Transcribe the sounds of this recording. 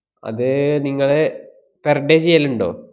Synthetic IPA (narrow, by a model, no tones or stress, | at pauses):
ɐ̰ðɨniŋːɐɭe | perɖeːt͡ɕejːɐluɳɖoː